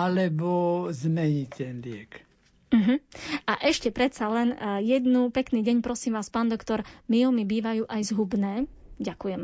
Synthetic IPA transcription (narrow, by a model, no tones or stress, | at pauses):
alɛbɔzmɛɲit̪ɛnlɪɛk | m̩ɦm̩aʔɛʃcɛpɾɛt̪t͡salɛnjɛd̪nupɛkniːɟɛɲpɾɔsiːmʋaːspaːnd̪ɔkt̪ɔɾmilmibiːʋajuːʔajzɦubnɛːɟakujɛm